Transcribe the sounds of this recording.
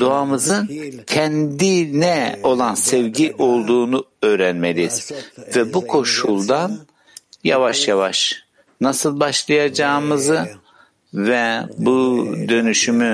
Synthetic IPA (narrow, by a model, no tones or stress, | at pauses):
d̪̥oamɯzɯncʰɛnd̪inɛo̞lˠansɛvɟiʔo̞lˠd̪uːnuø̞ːɾænmelʲiz̥vɛbukʰo̞ʃulˠd̪an | javaʃjavaʃ | nasɯlˠbaʃlˠajad͡ʒaːmɯzɯ | vɛbud̪ø̞nyʃymy